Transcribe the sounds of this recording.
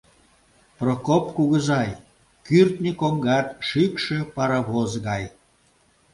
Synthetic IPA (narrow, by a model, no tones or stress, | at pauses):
prokopkuɣəzɑj | kyrt̪nʲikoŋɡɑt̪ʃikʃepɑɾɑβozɣɑj